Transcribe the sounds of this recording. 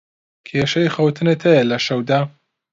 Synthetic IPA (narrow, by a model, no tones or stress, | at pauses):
kʰeːʃɐjxɐwt̪ʰɨnet̪ʰɐjɐlɐʃɐwd̪aː